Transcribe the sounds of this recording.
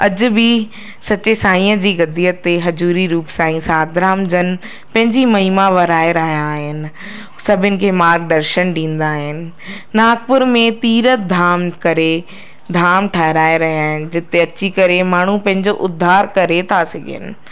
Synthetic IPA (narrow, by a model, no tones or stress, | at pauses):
ɐd͡ʑʊ̆bɪ | sɐt͡ɕesaːĩːəd͡ʑiːɡɐd̪iːət̪ːeɦɐd͡ʑuːɾiɾuːpsãːĩsaːd̪ʱɾaːmd͡ʑənɪ̆ | pɐ̃ɦɪ̃ɲd͡ʑimɐɦiːmaʋɐɾaːeɾaːɦijaːɦɪnɪ̆ | sɐbʱɪnɪ̆kʰeːmaːɾɡ̚d̪ɐɾʃənɖĩːn̆d̪aːɦɪnɪ̆ | naːk̚pʊɾmẽt̪iːɾəd̪ʱaːmkɐɾe | d̪ʱaːmʈʰaːɦɪɾaːeɾɐɦiaːɦɪnɪ̆d͡ʑɪt̪eɐt͡ɕikɐɾemaːɳ̤upɐ̃ɦɪ̃ɲd͡ʑoʔʊd̪ʱːaːɾkɐɾet̪ʰasɐɡʱɪ̰nɪ̰̆